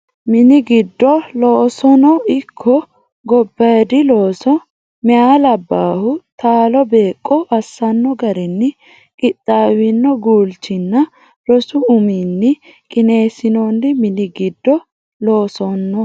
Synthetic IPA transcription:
mɪnɪɡɪd̪ːɔloːsɔnɔɪkʰːɔ | ɡɔbːɐjd̪ɪlo̞ːsɔ | mɛaːlɐbːaːhʊt̪aːlɔbe̞ːkʼːɔʔɐsːɐnːɔɡɐɾɛnːɪ | kʼɪt̪ʼːaːwɪnːɔɡuːlt͡ʃɪnːɐ | ɾɔsʊʊminːɪ | kʼɪne̞ːsɪnɔnːɪmɪnɪɡɪd̪ːɔ | loːsɔnːɔ

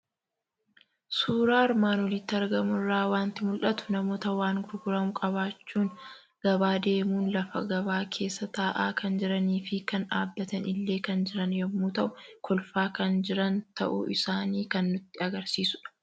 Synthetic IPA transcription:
suːɾaːɪɾmaːnwɔlɪt̪ːɪɐɾɡɐmʊrːaːwaːnt̪ɪmʊlʔɐt̪ʊ̥nɐmo̞ːt̪ɐwaːŋɡʊɾɡʊɾɐmʊkʼɐβaːt͡ʃːuːn | ɡ̥ɐbaːd̪e̞ːmuːnlɐfɐ̰ɡɐβaːkʰe̞ːsːɐt̪aːʔaːkɐnd͡ʒɪɾɐniːfɪkɐna̰ːbːɐt̪ɐnɪlːe̞ːkɐnd͡ʒɪɾɐnjɐmːuːt̪ɐʔʊkʰɔlfaːkɐnd͡ʒɪɾɐnt̪ɐ̰ʔʊ̰ɪsaːniːkɐnːʊt̪ːɪɐɡɐɾsiːsʊᶑɐ̥

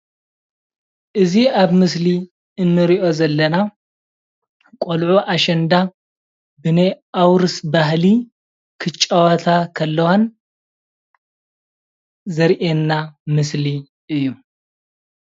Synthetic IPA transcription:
ʔɨziaβmɨs̬li | ɨnːɨɾiʔo̞zɐlːɐna | kʼolʕuʔaʃɐnd̪a | bɨnɐjʔawɾɨsbahli | kʰɨt͡ʃʼːɐwɐt̪ʰakʰɐlːɐwan | zɐɾʔenːamɨsli | ɨjːu

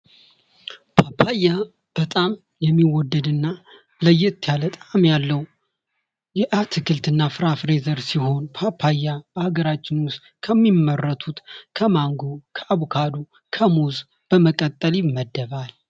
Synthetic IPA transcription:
pʰapʰːajːa | b̥ət̪ʼam | jɛmːiwɔd̪ːəd̪ɨnːa | ləjːɪɨt̪ːijalət̪ʼamjalːəw | jɛʔat̪ʰɨkʰɨlt̪ɨnːafɨɾafɾezəɾsiho̞npʰapʰːajːab̥əhaɡəɾat͡ʃːɪnwʊst̪kʰəmːimːərːət̪ʰut̪kʰəmaŋɡokʰəʔaβukʰad̪u | kʰəmoz | b̥əməkʼət̪ʼːəljɪmːəd̪ːəβal

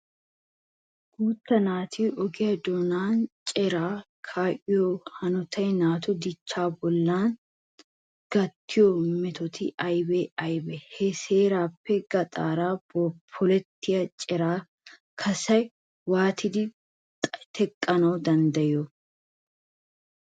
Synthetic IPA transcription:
ɡ̥uːt̪ːɐnaːt̪ʰiːʔɔɡɪjɐd̪oːnaːnt͡ʃʼɛɾaː | kʰaːʔɪjɔhɐnɔt̪ʰɐjnaːt̪ɔd̪ɪt͡ʃːaːbɔlːaːn | ɡ̥ɐt̪ːɪjɔmɛt̪ɔt̪ʰɪʔɐjbɛɐjbɛhɛseːɾaːpːɛɡ̥ɐt̪ʼaːɾaːbɔpʰːɔlɛt̪ːɪjɐt͡ʃʼɛɾaː | kʰɐsɐj | waːt̪ʰɪd̪ɪ | t̪ʰɛkʼːɐnɐwd̪ɐnd̪ɐjɔ

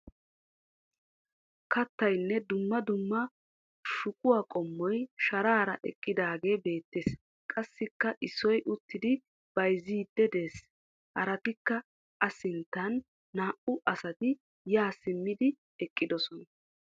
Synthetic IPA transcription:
kɐt̪ːɐjnːɛd̪ʊmːɐd̪ʊmːɐ | ʃʊkʼʊwaːkʼɔmːɔjʃɐɾaːɾɐʔɛ̰kʼːɪd̪aːɡe̞ːbe̞ːt̪ːeːs | kʼɐsːɪkːɐʔɪsːɔjʔʊt̪ːɪd̪ɪ | b̥ɐjziːd̪ːɛd̪e̞ːs | hɐɾɐt̪ɪkːɐ | ʔɐsɪnt̪ːɐnː | aːʔʊʔɐsɐt̪ɪ | jaːsɪmːɪd̪ɪ | ɛkʼːɪd̪ɔsɔnɐ

